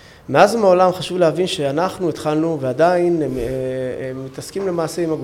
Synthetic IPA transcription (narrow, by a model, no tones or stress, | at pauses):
me̞azmeo̞lamχaʃuvleɦavinʃeanaχnuit̪χalnuvead̪ain | mːit̪askimle̞maːse̞imaɡ